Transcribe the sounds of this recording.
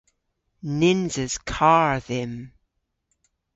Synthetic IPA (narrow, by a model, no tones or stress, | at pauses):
nɪnzəz̥kʰaɹðɪm